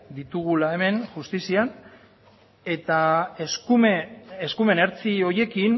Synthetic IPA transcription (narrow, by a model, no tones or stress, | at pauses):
d̪it̪uɣ̞ulae̞me̞nʝust̪isian | e̞t̪aeskumeeskume̞ne̞ɾt͡sio̞ɾje̞kin